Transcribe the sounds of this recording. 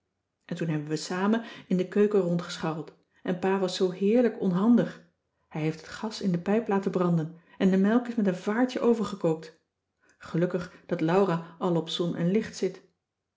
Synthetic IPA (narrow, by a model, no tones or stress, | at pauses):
ʔɛntunɦɛbənʋəsaːmənɪndəkøɥkərɔntχə̥sχɑwlˠt | ʔɛnpaːʋɑsːowɦɪːɹləkɔnɦɑndəχ | hɛjɦejftɦətχɑsɪndəpɛjplaːtəbrɑndən | ɛndəmɛlˠkɪsmɛtənvaːɹtəʔowvəɹχəkowk̚t | χəlɵkəχd̥ɑtlɑwraːʔɑlˠɔpsɔnʔɛ̰nlɪχtsɪt